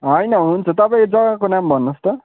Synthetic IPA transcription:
ɦʌjnʌɦunt͡sʰʌt̪ʌpaĩkod͡zʌɡãkonambʱʌnːost̪ʌ

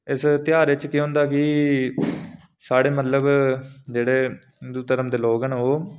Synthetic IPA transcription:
ɪst̪ɪjaːɾɪt͡ʃkiɦʊ̃nd̪aːkɪ | saːɽeːmət̪ləbd͡ʒeːɽeː | d̪uːt̪əɾəmd̪eːloːɡənoː

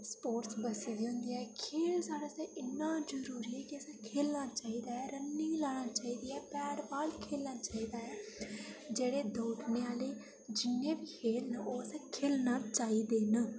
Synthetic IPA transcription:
spoːʈsbəsiːd̪iːɦʊ̃nd̪iːɛːkʰeːlsaːɽaːsɛ̃ːʔɪnːãːd͡ʒəɾuːɾiːɛːkiəsãːkʰeːlnaːt͡ʃaːiːd̪aːɛːɾənːɪ̃ŋlaːɽ̃aːt͡ʃaːiːd̪iːɛːpɛːɾbaːlkʰeːlnaːt͡ʃaːiːd̪aːɛː | d͡ʒeːɽeːd̪oːʈneːaːleː | d͡ʒɪnːẽːbiːheːlnoːsɛːkʰeːlnaːt͡ʃaːiːd̪eːn

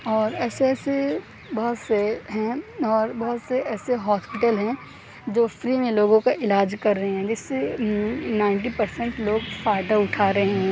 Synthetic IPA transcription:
ɔːɾɛːseɛːse | bɔɦʊt̪seɦɛ̃ɔːɾbɐɦʊt̪seɛːseɦɔːspɪʈəlɦɛ̃ | d͡ʒoːfɾiːmẽloːɡõkaʔɪlaːd͡ʒkɐɾːɐɦeɦɛ̃ːd͡ʒɪsːe | nãːɪ̃ɳʈipɐɾsɛ̃ɳʈloːɡfaːɪɖ̪aʊʈʰaːɾɐɦeɦɛ̃

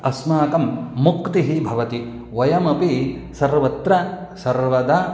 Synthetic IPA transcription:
ɐsmaːkɐmːukt̪iɦibʱɐʋɐt̪i | ʋɐjɐmɐpisɐɾʋɐt̪ɾɐsɐɾʋɐd̪a

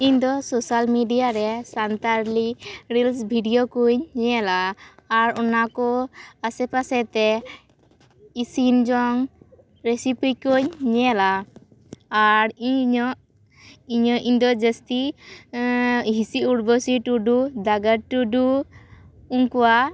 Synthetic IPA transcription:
iɲd̪ɔsosalmiɖijaɾɛsant̪aɾliɾilsbʱiɖijɔkuɲɲɛlaːɾɔnakɔasɛpasɛt̪ɛ | isind͡ʒɔŋ | ɾesipijkoɲɲɛlaː | ɾiɲɲɔʔ | iɲɔʔiɲd̪ɔd͡ʒəst̪i | ɦisiuɽbɔsiʈuɖud̪aɡaʈuɖu | uŋkuwa

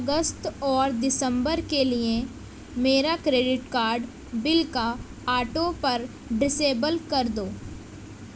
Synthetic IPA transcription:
ɐɡəst̪ɔːɾd̪ɪsə̃mbəɾkelie | meːɾakɾeːɖɪʈkaːɾɖ | bɪlka | aːʈõpɐɾ | ɖɪseːbəlkɐɾd̪oː

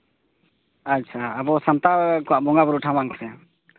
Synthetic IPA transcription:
ətːʃʰaːbɔsəmt̪akɔwaʔbɔŋɡabəɾuʈʰamaŋksɛ

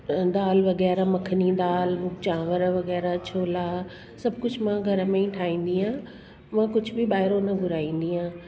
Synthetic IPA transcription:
d̪aːlʋɐɣɛːɾamɐkʰənid̪aːlʊt͡ɕãːʋəɾʋɐɣɛːɾat͡ɕʰoːla | sɐbʱkʊd͡ʑʱmãɡʱɐɾəmẽĩʈʰaːĩːn̆d̪iɦãː | mãːkʊd͡ʑʱbɪɓaːɪɾonɐɡʱʊɾaːĩːn̆d̪iɦãː

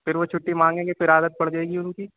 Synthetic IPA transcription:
pɪɾʋot͡ʃʰʊʈːimãːŋɡẽːɡepɪɾaːd̪ət̪̚pɐɽd͡ʒaːeːɡiʊnkiː

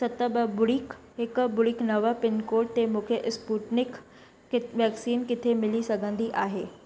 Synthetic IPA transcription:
sɐt̪əbəbʊɽik | ɦɪkbʊɽiknɐʋəpɪnkoːʈt̪emũːkʰeʔspuːʈnɪkː | ʋjɛːksiːnkɪt̪ʰemɪlisɐɡʱə̃nd̪iʔaːɦeː

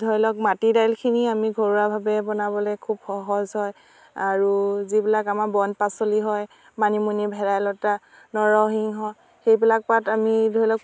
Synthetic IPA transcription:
dʱɔjlɔk̚matidajlkʰiniamiɡʱɔɹuɹabʱabɛbɔnabɔlɛkʰubxɔɦɔzɦɔj | aɹuzibilakamabɔnpasoliɦɔj | manimunibʱɛɹajlɔta | nɔɹɔɦiŋɦɔ | xejbilak̚patamidʱɔjlɔk

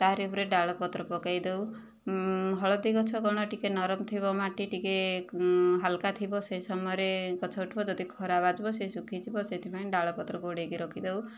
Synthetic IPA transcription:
t̪aɦɾeupɾeɖaɭɔpɔt̪ɾɔpɔkajd̪ew | ɦɔɭɔd̪ikɔt͡ʃʰɔkɔɽ̃ɔʈikenɔɾɔmt̪ʰibɔmaʈiʈike | ɦalkat̪ʰibɔsejsɔmɔjɔɾekɔt͡ʃʰɔuʈʰbɔd͡ʒɔd̪ikʰɔɾabad͡ʒbɔsesukʰit͡ʃʰibɔset̪ʰipaĩɖaɭɔpɔt̪ɾɔɡoɽekiɾɔkʰid̪ew

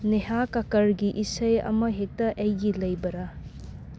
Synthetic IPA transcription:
neɦakɐkɐɾɡiʔisɐjɐ̰mɐɦek̚tːɐʔejɡilɐjbɐɾa

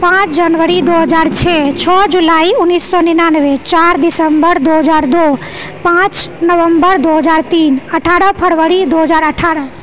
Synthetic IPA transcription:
pãt͡ʃd͡ʒənʋəɾid̪oɦəd͡ʒaɾt͡ʃʰɛt͡ʃʰɔd͡ʒulaiunisːɔninanʋet͡ʃaɾd̪isəmbəɾd̪oɦəd͡ʒaɾd̪o | pãt͡ʃnəʋəmbəɾd̪oɦəd͡ʒaɾt̪inəʈʰaɾəpʰəɾʋəɾid̪oɦəd͡ʒaɾəʈʰaɾə

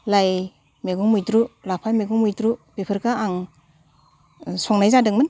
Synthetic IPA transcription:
laj | meɡɔŋmujdɾulapʰameɡɔŋmujdɾupepʰɯɾkaaŋ | sɔŋnajzadɯŋmɯn

